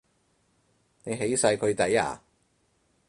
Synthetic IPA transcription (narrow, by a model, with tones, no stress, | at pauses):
ne˨˧jɦe˨˥jsɐ˧jkʰɵ˨˧ɥt̪ɐ˨˥ja̰ː˨˩